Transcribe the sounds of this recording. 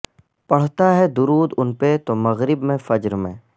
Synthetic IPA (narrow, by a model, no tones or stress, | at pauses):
pɐɽ̤t̪aɦɛd̪ʊɾuːd̪ʊnpet̪omɐɣɾɪbmẽfɐd͡ʒɾmḛ̃ː